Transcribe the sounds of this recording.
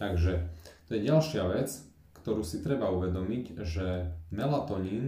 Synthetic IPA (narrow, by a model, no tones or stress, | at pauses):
t̪aɡʒɛt̪ɔjɛɟalʃɪaʋɛt͡s | kt̪ɔɾuːsit̪ɾɛbauʋɛd̪ɔmiɟʒɛmɛlat̪ɔɲin